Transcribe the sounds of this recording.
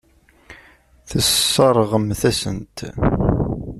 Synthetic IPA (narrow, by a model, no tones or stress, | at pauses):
θəsːəɾˤʁəmθæsənt̪